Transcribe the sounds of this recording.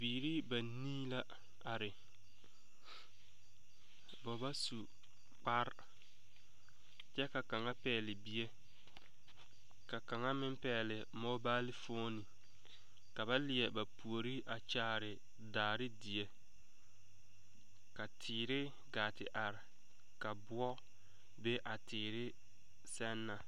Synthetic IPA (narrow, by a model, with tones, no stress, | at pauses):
biː˨ɾi˦ba˨niː˦la˦ | a˨ɾɪ˨ | bɔ˨ba˦su˨ | k͡pa˦ɾ | t͡ʃɛ˦ka˨ka˨ŋa˦pɛː˨lɪ˨bi˨˦e˦ | ka˨ka˨ŋa˦mɪ˦mpɛː˨lɪ˨ | mɔ˦baː˦lɪ˦foː˦ni˨ | ka˨βa˦lɪ˨ɛ˨ba˨pu˨o˨ɾi˦ʔa˨t͡ʃaː˦ɾɪ˨ | daː˨ɾɪ˦di˨e˦ | ka˨tʰɪː˨ɾɪ˦ | ɡaː˨tɪ˨ʔa˨ɾɪ˨ | ka˨bʊ˦ɔ˦ | be˦ʔa˨tɪː˨ɾɪ˦ | sɛ˦nːa˨